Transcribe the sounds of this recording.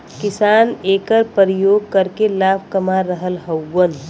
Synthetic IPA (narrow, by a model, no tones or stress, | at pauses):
kɪsaneːkəɾpəɾijoɡ̚kəɾkelab̚ʰʱkəmaɾːəɦəlɦəwːən